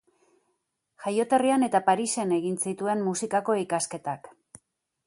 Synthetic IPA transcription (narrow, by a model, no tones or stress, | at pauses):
ʝajo̞t̪e̞riane̞t̪apaɾise̞ne̞ɣinsit̪ue̞mmusikako̞ikaske̞t̪ak